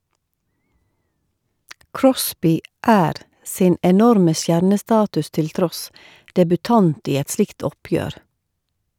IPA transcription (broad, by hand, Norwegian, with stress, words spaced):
ˈkɹɔsbɪ ˈʔæːɾ ˈsɪn ɛˈnɔɾmə ˈsjæɾnəˌstɑːtʉs ˈtɪl ˈtɾɔs dɛbʉˈtɑnt ˈiː ˈɛt ˈslɪkt ˈɔˌpjøːɾ